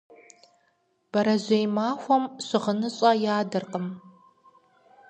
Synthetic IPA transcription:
b̥ɐɾɐʑʷejmaːxʷɔmɕɪʁənɨɕʼɐjaːdɐrqʼəm

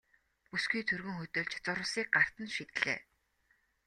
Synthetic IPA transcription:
pusɡiːt̪ʰɵrɣɵ̆ŋxɵt̪ɵ̆ɮt͡ɕt͡sʊɾʊ̆siːk̚ɢar̥t̪ə̆nʃit̪ɮ̥ḛː

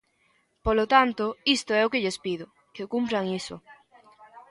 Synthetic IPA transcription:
polot̪ant̪oist̪oɛokeʎespið̞ʊ | kekumpɾaŋiso

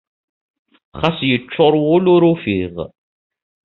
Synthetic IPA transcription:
χasjət͡ʃːoɾˤwʊlʊɾufiʁ

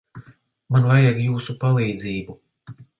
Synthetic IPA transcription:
manvajaɡjuːsupalˠiːd̪ziːbu

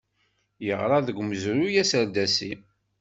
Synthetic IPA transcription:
jəʁɾˤɑðəɡməzɾujæsəɾd̪æsi

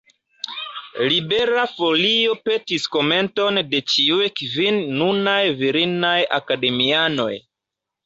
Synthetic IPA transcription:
libe̞ɾafo̞lio̞pe̞tisko̞me̞nto̞nde̞t͡ʃiujkvinːunajviɾinaja̰kade̞miano̞̰j

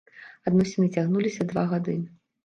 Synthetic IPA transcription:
ad̪nɔsʲinɨt͡sʲaɣnulʲisʲɐd̪vaɣad̪ɨn

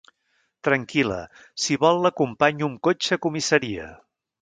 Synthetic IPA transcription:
t̪ɾəŋkilə̰ | siβɔlˠːəkumpaɲuŋkot͡ʃəkumisəɾiə̰

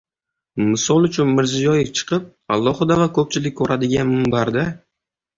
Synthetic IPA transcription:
mɪsɒlˠʊt͡ʃʰʊnmɪɾzijɒjɪft͡ʃʰɨ̥qɨp̚ | alˠːɒhɨd̪avakʰɵp̚t͡ʃʰɪlɪkʲkʰːɵɾad̪ɪɡʲanmɪmbaɾd̪a

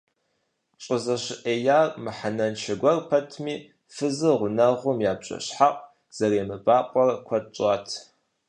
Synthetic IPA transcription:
ɕʼəzɐɕɪʔeːjaːrmɨħanɐnt͡ʃʰɐɡʷɐrpʰɐtʰmiː | fɨzɨʁʷʊnɐʁʷʊmjaːbɕʼɐ̰ɕħaqʼ | z̥ɐreːmɨbaːqʷʼɔrkʷʰɐt͡ʃʼɑːtʰ

